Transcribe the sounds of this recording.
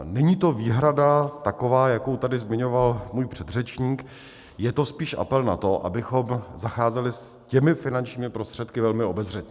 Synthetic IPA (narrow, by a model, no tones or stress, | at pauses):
nɛɲiːt̪o̞viːɦɾadat̪ako̞vaːjakowt̪adɪzmɪɲo̞valmuːjpr̝̥ɛd̪r̝ɛt͡ʃɲiːk | jɛt̪o̞spiːʃʔa̰pɛlna̰t̪oʔa̰bɪxo̞mzaxaːzɛlɪs | cɛmɪfɪnant͡ʃɲiːmɪpɾost̪r̥ɛt̪̚kɪvɛlmɪo̞bɛzr̝ɛt̪ɲɛ